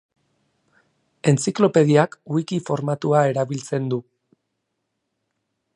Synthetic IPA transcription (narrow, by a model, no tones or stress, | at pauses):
e̞nt͡siklo̞pe̞ð̞iakwikifo̞ɾmat̪uae̞ɾaβilt͡se̞nd̪u